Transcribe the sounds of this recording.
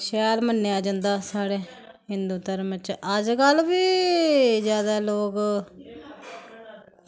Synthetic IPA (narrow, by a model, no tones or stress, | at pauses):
ʃɛːlmənːjaːd͡ʒãːnd̪aːsaːɽeː | hɪnd̪uːt̪əɾmət͡ʃʔəd͡ʒkəlbiː | zjaːd̪aːloːk